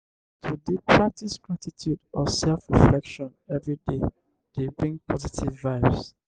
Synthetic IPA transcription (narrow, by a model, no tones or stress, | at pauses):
tʰudepʰɹak̚tisɡɹatitʰjudɔsɛlfɹiflɛkʃɔ̃nɛvɹide | d̥ebɹĩŋpʰɔzitʰivːaɪvs